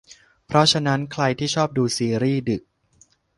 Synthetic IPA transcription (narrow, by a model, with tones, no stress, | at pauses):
pʰɾɔ˦˥t͡ɕʰa˧na˦˥nkʰɾa˧jt̪ʰiː˥˩t͡ɕʰɔː˥˩p̚duː˧siː˧ɾiː˥˩dɯ˨˩k̚